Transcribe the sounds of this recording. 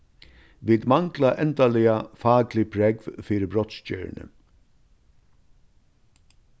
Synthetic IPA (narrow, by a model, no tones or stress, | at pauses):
ʋiːd̪maŋklaʔɛnt̪alɪafaːklɪpʰɾɛkvfiːɾəbɾɔt̪scœ̰ːɹɳə̰